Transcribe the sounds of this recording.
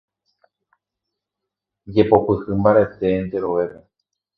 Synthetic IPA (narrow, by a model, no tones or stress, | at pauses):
d͡ʒepopɨhɨmbaɾet̪end̪eɾoʋepe